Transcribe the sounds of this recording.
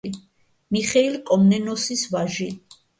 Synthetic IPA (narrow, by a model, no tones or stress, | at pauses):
i | miχɛilkʼɔmnɛnɔsisvaʒi